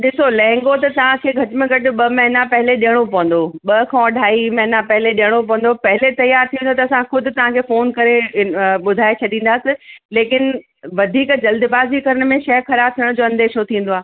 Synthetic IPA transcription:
ɗɪsolɛ̃ɦŋɡot̪ɐt̪ɐʋ̤ãkʰeːɡʱɐʈɪmẽɡʱɐʈʊ̆ɓɐmɐɦɪnapɐɦɪleɗijəɽ̃opɐʋə̃n̆d̪oɓɐkʰɔ̃ːɖʱaːimɐɦɪnapɐɦɪleɗiəɽ̃opɐ̃ʋə̃nd̪opɐɦɪlet̪ɐjaːɾt̪ʰĩə̃nd̪ot̪ɐːsãxʊd̪ʱʊ̆t̪ɐʋ̤ãkʰeːfoːnkɐɾeɓʊd̪ʱaːet͡ɕʰɐɗĩːn̆d̪aːsɪ̃leːkɪn | ʋɐd̪ʱiːkd͡ʑɐld̪ɪbaːzikɐɾəɽ̃̆mẽʃɐɦxɐɾaːb̚t̪ʰiəɽ̃d͡ʑoːɐ̃nd̪eːʃot̪ʰĩːn̆d̪oaː

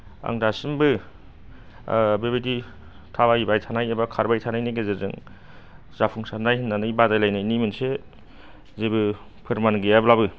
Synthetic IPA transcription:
a̰ŋdasɯmbɯ | bebedi | tʰabaibajtʰanajebakʰaɾbajtʰanajniɡezezɯ̰ŋ | z̥apʰuŋsanajɦɯnːanɯjbadajlajnajnimɯnse | zebɯpʰɯɾmanɡiablabɯ

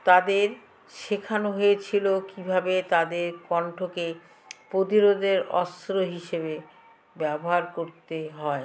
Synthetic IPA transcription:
t̪ad̪eɾ | ʃekʰanoɦoet͡ɕʰilokibʱabet̪ad̪eɾpɔɳʈʰoke | pɾot̪iɾod̪eɾɔ̰st̪ɾoɦiʃebe | bɛboɦaɾkoɾt̪eɦɔe

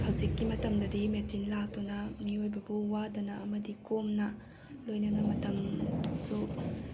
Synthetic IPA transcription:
hɐwzikːimɐtɐmdɐdimetinlak̚tunɐmiojbɐbuwadɐnɐʔɐmɐdikomnɐ | lojnɐnɐmɐtɐmsu

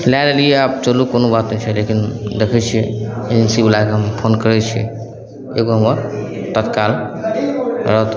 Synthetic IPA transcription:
lalelieap̚t͡ʃəlukonobat̪nɛt͡ʃʰɛlekind̪ekʰɛt͡ʃʰieeensibelakeɦəmpʰonkəɾɛt͡ʃʰiɛ̰ | eɡoɦəməɾt̪ət̪kal | ɾəɦt̪

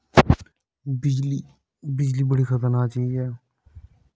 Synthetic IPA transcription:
bɪli | bɪd͡ʒliːbəɽiːxʰət̪əɾnaːt̪t͡ʃeiɛː

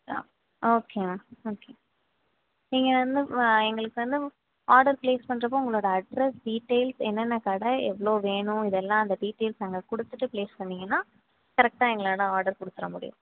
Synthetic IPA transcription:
oːkʰeːmaːoːkeː | niŋɡɐʋɐnd̪ɯɛŋɡɐɭɯkːɯʋɐnd̪ɯ | aːɾɖɐɾpɭeːspɐɳːɯɾɐpːoːʊŋɡɐɭoːɽɐɐɖɾɛsɖiːʈːeːlsɛnːɐnːɐkaːɽɐɛ̰ʋːɐɭoːʋeːɳʊ̃ɪðɛlːãːɐnd̪ɐɖiːʈːeːlsnɐŋɡɐkɔɽɯt̪ːɯʈːɯpleːspɐɳːɪŋɡɐnːaː | kɐɾɛk̚ʈaːɛŋɡɐɭaːɽãaːɾɖɐɾkɔɽɯt̪ːɯɾɐmʊɽɪ̰jʊ̰̃

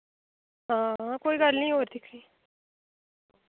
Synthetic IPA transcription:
ɦãːãkoːiːɡəlnĩːɦoːɾd̪ɪkʰɾiː

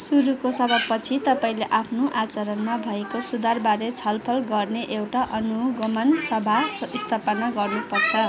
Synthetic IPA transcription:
suɾukosʌbʱʌbpʌt͡sʰit̪ʌpaĩleʔapʰnoʔat͡sʌɾʌnmabʱʌekosud̪arbaɾet͡sʰʌlpʰʌlɡʌrneʔewʈaʔʌnuɡʌmʌnsʌbʱaist̪ʰapʌnaɡʌrnupʌrt͡sʰʌ

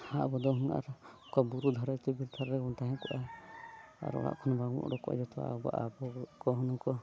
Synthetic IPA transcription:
haʔbɔd̪ɔɦunaʔa̰ɾɔkabuɾud̪ʱɔɾajt̪ɛbilt̪ʰaɾɾɛɡɔnt̪aɦɛ̃kɔʔa | a̰ɾɔ̰ɽa̰ʔkʰɔnɔbaɡmṵʔɽɔkɔʔa̰d͡ʒɔt̪ʰɔwa̰ba̰ʔabɔkɔɦɔnɔkɔ

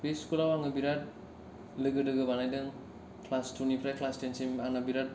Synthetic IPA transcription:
beskulawaŋnɯbiɾat̚ | lɯɡɯdɯɡɯbanajdɯŋ | kʰlastunipʰɾajkʰlastensimaŋnabiɾat̚

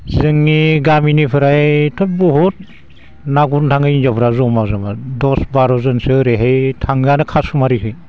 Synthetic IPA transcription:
zɯŋːiɡaminipʰɯɾajtʰɔp̚bɔɦut̚ | naɡuntʰaŋɯinzapʰɾazɔmazamadɔsbaɾɔzɯnsɯɾeɦejtʰaŋɡanɯkʰasumaɾikʰɯj

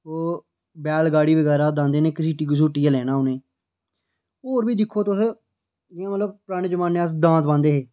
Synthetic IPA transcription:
oː | bɛːlɡaːɽiːbəɡɛːɾaːd̪ãːnd̪eːneːkɪsiːʈiːɡʊs̬uːʈiːaːlɛːnaːʊnẽː | oːɾbiːd̪ɪkʰːoːt̪ʊs | d͡ʒɪãːmət̪ləb̚pɾaːɽ̃ẽːd͡ʒəmãːnːeas̬d̪ãːt̪bãːnd̪eːɦeː

